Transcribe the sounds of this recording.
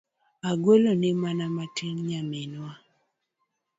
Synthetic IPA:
aɡwolonɪmanamatiŋɲamɪnwa

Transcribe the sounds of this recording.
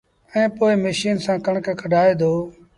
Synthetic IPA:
ɛ̃ːpoːɪməʃiːnsãːkəɳkːkʰəɖʱaːeːd̪oː

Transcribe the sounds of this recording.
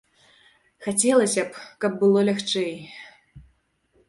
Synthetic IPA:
xat͡sʲɛlˠɐsʲɐpkɐb̚ːɨlˠɔlʲaxt͡ʂɛj

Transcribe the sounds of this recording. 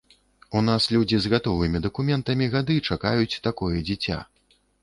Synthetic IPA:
unaslʲud͡zʲizɣat̪ɔvɨmʲid̪ɐkumʲɛnt̪ɐmʲiɣad̪ɨt͡ʂakajut͡sʲt̪akɔjɛd͡zʲit͡sʲa̰

